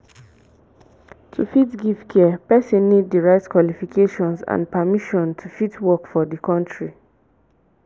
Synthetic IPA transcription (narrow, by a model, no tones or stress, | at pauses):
tʰufitɡivkʰɛpɛsɔ̃nːiddiɹaɪtkwalifikʰeʃɔ̃nsã̰npamiʃɔ̃ntʰufitwɔkfɔdikɔ̃ntʰɹi